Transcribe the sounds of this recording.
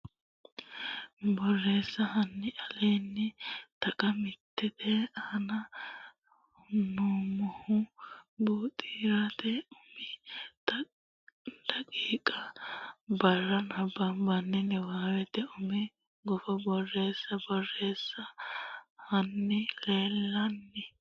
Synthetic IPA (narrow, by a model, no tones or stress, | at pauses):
bɔrːe̞ːsːɐhɐnːɪʔɐleːnːɪt̪ɐkʼɐmɪt̪ːɪd̪ɛanɐ | nuːmɔhʊbuːt̪ʼiːɾat̪ɛʊmɪ | d̪̥ɐkʼiːkʼɐ | bɐrːɐnɐbːɐmbɐnːɛnɛwaːwɛt̪ɛʊmɛ | ɡɔfɐbɔrːe̞ːsːɐbɔrːe̞ːsːɐ | hɐnːɪleːlːɐnːɛ